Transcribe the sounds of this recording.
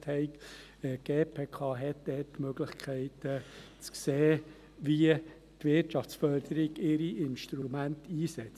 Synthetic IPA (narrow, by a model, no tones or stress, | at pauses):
thɛɪk | əɡ̥eːpʰeːkʰɑːɦɛt̚d̥ɛtːmøɡ̥ləχkʰɛɪtə | t͡skseː | viə | tʋɪɾtʃɑft͡sfœɾd̪̥əɾɪɡɪɾiʔɪnʃt̪ɾumæntiːsɛt͡s